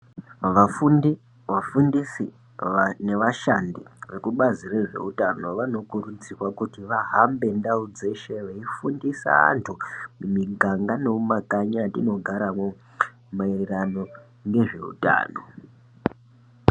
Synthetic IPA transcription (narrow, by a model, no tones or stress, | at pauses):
ʋafuni | ʋafundisi | ne̞ʋaʃandiʋe̞kuɓazireʐe̞̰utano̞ʋano̞kurut͡sirwakutiʋaɦambe̞ndaud͡ze̞ʃe̞ʋeifundisa̰a̰ntʰumumiɡʱaŋɡane̞umakaɲatino̞ɡʱaɾamwo | mairerano̞ | ŋɡe̞ʐe̞̰ṵta̰ːno̰